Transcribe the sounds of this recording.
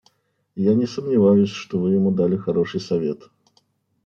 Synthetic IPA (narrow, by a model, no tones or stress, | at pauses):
janʲɪsəmnʲɪvajʊsʲʂt̪ɔvɨjɪmud̪alʲɪxɐɾoʂɨjsɐvʲet̪